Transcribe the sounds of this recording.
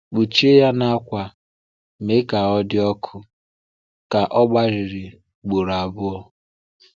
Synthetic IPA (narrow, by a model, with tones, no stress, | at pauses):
k͡pu˨t͡ʃi˦e˦ja˦na˦kʷa˨ | me˦ka˨ɔ˦dɪ˦ɔ˦kʰʊ˦ | ka˨ʔɔ˦ɡ͡ba˦ɾɪ˨ɾi˨ | ɡ͡bo˨ɾa˨bʊ˦ɔ˦